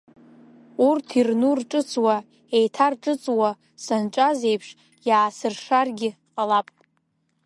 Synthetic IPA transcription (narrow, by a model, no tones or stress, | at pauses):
urtʰirnurʈ͡ʂʼɨt͡sʼwa | ejtʰarʈ͡ʂʼɨt͡sʼwa | sanʈ͡ʂʷʼazejpʰʂ | jaːsɨrʂarɡʲɪqʼalapʼ